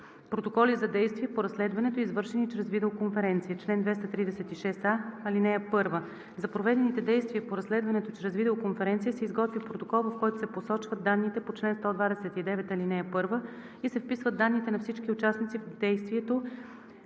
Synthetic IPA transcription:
pɾot̪okɔlizɐd̪ɛjst̪viɛpoɾɐslɛd̪vɐnɛt̪oizvɤɾʃɛnit͡ʃɾɛzvid̪ɛokoɱfɛɾɛnt̪sijət͡ʃlɛnd̪vɛst̪ɐt̪ɾid̪ɛsɛt̪iʃɛsaɐlinɛəpɤɾvə | zɐpɾovɛd̪ɛnit̪ɛd̪ɛjst̪viəpoɾɐslɛd̪vɐnɛt̪ot͡ʃɾɛzvid̪ɛokonfɛɾɛnt̪sijəsɛizɡɔt̪vʲipɾot̪okɔlˠvɐfkɔjt̪o̥sɛposɔt͡ʃvəd̪̚d̪anːit̪ɛpot͡ʃlɛnst̪ɔd̪vad̪ɛsɛt̪id̪ɛvɛt̪ɐlinɛɐpɤɾvə | isɛfpisvəd̪anːit̪ɛnɐfsit͡ʃk̟iʊt͡ʃasnit̪sivd̪ɛjst̪viɛt̪o

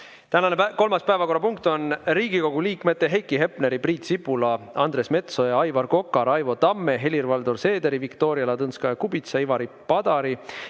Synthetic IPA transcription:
t̪ænɑneko̞lmɑspæevɑko̞rːɑpuŋk̚t̪o̞nɾiːɡ̥iko̞ɡ̥uliːkme̞t̪ːe̞ɦejkːˑiɦe̞pneɾipriːt̪sipːulɑɑnd̪̥ɾe̞sme̞t̪so̞jɑɑjvɑrko̞kːˑɑɾɑjvo̞t̪ɑmːe̞ɦe̞lʲirvɑld̪orse̞ːd̪e̞ɾivikt̪o̞ːɾiɑlɑt̪ɤnskɑjɑkubit̪sɑivɑɾi | pɑd̪̥ɑɾi

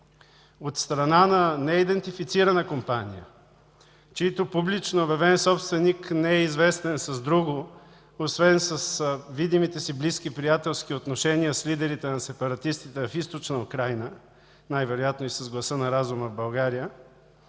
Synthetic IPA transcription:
ot̪st̪ɾɐnanɐnɛid̪ɛnt̪ifit̪siɾɐnəkompanijə̰ | t͡ʃɛit̪opublit͡ʃnoːbɛvɛnsɔpst̪vɛniknɛɛizvɛst̪ɛnsɐzd̪ɾuɡʊ | osvɛnsɐsvid̪imit̪ɛsiblisk̟ipɾijat̪ɛlˠsk̟iot̪noʃɛniəslid̪ɛɾit̪ɛnɐsɛpɐɾɐt̪ist̪it̪ɛfist̪ot͡ʃnəʊkɾajnə | najvɛɾojat̪noisɐzɡlˠɐsənɐɾazuməvbɐlˠɡaɾijə

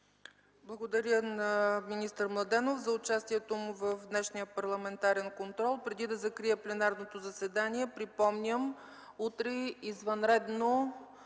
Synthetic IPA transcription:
blˠɐɡod̪ɐɾʲjənɐminist̪əɾmlˠɐd̪ɛnofzɐʊt͡ʃast̪iɛt̪omuvəfd̪nɛʃnijəpɐɾlˠɐmɛnt̪aɾɛnkont̪ɾɔlˠpɾɛd̪id̪ɐzɐkɾijəplɛnaɾnot̪ozɐsɛd̪aniɛpɾipɔmnʲəm | ut̪ɾɛizvɐnɾɛd̪no

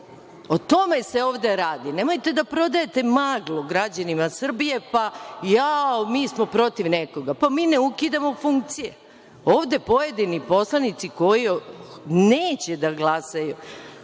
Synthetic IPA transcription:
ot̪o̞me̞se̞o̞ːʋd̪e̞ɾaːd̪ine̞mo̞jt̪e̞d̪apɾo̞d̪ajet̪e̞maːɡlˠoɡɾad͡ʑanimasr̩bije̞pajaomiːsmo̞pɾo̞t̪iʋneko̞ɡapamiːneukid̪amo̞fuŋkt̪sije | oːʋd̪e̞po̞je̞d̪inipo̞slˠanit̪siko̞ji | neːt͡ɕe̞d̪aɡlˠasaju

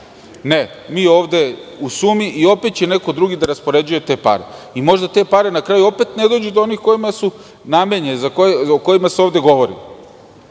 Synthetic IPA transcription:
ne̞ | miːo̞ːʋd̪e̞usuːmiʔio̞pe̞t̪t͡ɕe̞ne̞ko̞d̪ɾuɡid̪aɾaspo̞ɾe̞d͡ʑuje̞t̪e̞ːpa̰ɾe̞̰imo̞ʒd̪at̪e̞ːpaɾe̞nakɾajuo̞pe̞t̪ne̞d̪o̞d͡ʑud̪oo̞niːxko̞jimasu | name̞ɲezakooko̞jimaseoːʋd̪e̞ɡo̞ʋo̞ɾḭ

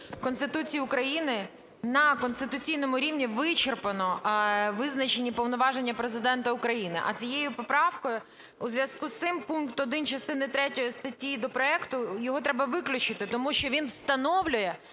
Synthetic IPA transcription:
kɔnst̪ɪt̪ut͡sʲijiʊkɾɐjinɪ | nɐkɔnst̪ɪt̪ʊt͡sʲijnɔmʊɾʲiwnʲiʋɪt͡ʃerpɐnɔʋɪznɐt͡ʃenʲːipɔwnɔʋɑʒe̞nʲːɐpɾezɪd̪ɛnt̪ɐʊkɾɐjinɪ̰ʔɐ̰t͡sʲijejʊpɔpɾɑwkɔjʊ | uzʋʲjɐskust̪sɪmpunkt̪ɔd̪ɪnt͡ʃɐst̪ɪnɪt̪ɾɛtʲɔjist̪ɐtʲːid̪ɔpɾɔɛkt̪ʊjɔɦɔt̪ɾɛbɐʋɪklʲʊt͡ʃɪt̪ɪt̪ɔmuʃt͡ʃɔʋʲinwst̪ɐnɔwlʲʊjɛ

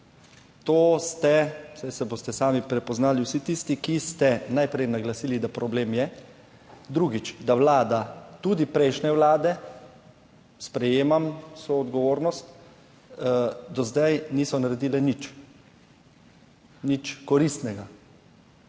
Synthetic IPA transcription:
t̪oːst̪ɛsajsɛboːst̪ɛsaːmipɾɛpɔznaːliwsit̪ist̪ikist̪ɛnajpɾɛjnaɡlasiːlid̪apɾɔbleːmjɛ | d̪ɾuɡit͡ʃd̪aʋlaːd̪at̪ud̪ipɾɛjʃnɛʋwlaːd̪ɛ | spɾɛjeːmamsoɔd̪ɡɔʋoːɾnɔst̪ | d̪ɔzd̪ajniːsɔnaɾɛd̪iːlɛnit͡ʃ | nit͡ʃkɔɾist̪nɛɡa

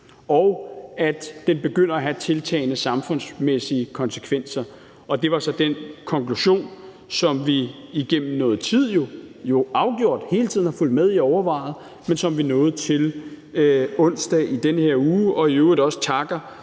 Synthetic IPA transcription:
ɒʊæd̥ːenb̥e̝ɡ̥øn̰ɐæɦæt͡sʰe̝lt͡sʰɛ̰ːɪnəsɑ̈mfɔ̽nsmesiəkʰɒ̽nsə̥kʰʋen̰sɐ | ɒ̽d̥e̝ʋɑ̈sɒ̽d̥enkʰɒ̽ŋkʰluɕo̝̰ːn | sɒ̽mʋiiɡ̥en̰m̩nɔ̽ːð̞̩ˠt͡sʰið̞̰ˠjo̝jo̝ɑ̈ʊɡ̥jo̝ɐ̰d̥he̝ːlət͡sʰiðˠn̩hɑ̈ful̰d̥með̞ˠiɒʊɐʋɑ̈ɪ̰ð̩ˠ | mensɒ̽mʋinɔ̽ːð̩ˠt͡sʰe̝l | ɔ̽n̰sd̥ɛʔid̥enəhe̝ɐ̰uːʔɒ̽iøɒ̽sə̥t͡sʰɑ̈ɡ̥ɐ

